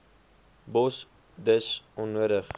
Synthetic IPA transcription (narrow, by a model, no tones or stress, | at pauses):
bɔs | dəsɔnːuəɾəχ